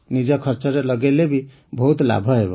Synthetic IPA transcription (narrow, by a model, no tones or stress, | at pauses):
nid͡ʒakʰəɾt͡ʃəɾeləɡelebʱi | bʱəɦut̪la̰bʱəɦebɔ̰